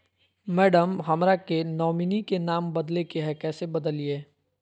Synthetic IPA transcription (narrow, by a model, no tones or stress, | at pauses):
mɛːɖəmɦɐmɾakenɔːminikenaːmbɐd̪lekeɦɛkɛːsebɐd̪əlieː